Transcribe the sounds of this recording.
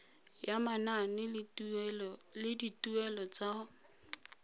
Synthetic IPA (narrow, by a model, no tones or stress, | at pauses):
jamananɪ | lɪditʼuɛlɔt͡sa